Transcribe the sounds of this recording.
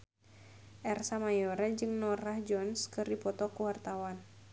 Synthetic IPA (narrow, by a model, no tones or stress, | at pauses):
ʔɛrsamajɔɾad͡ʒɨŋnɔrahd͡ʒɔnskɨrdipɔt̪ɔkuwart̪awan